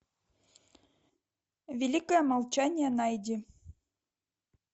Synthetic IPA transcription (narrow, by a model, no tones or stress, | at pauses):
vʲelʲikojəmɑlˠt͡ɕɑnʲjenɑjd̪ʲi